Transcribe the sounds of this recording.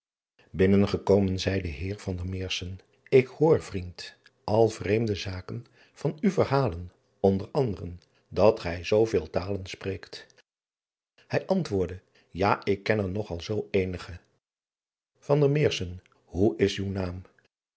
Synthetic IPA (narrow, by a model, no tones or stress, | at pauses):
bɪnənχəkowmənzɛjdəɦɪːɹv̥ɑndəɹmɪːɹsən | ɪkhʊːɹv̥rint | ʔɑlˠv̥rejmdəzaːkən | v̥ɑnywvəɹɦaːlən | ɔndəɹɑndərən | dɑtχɛjzowvɪːlˠtaːlənsprejkt | hɛjʔɑntʋʊːɹdə | jaːʔɪkːɛnɛɹnɔχɑlˠzowejnəχə | v̥ɑndəɹmɪːɹsən | ɦuɪsywnaːm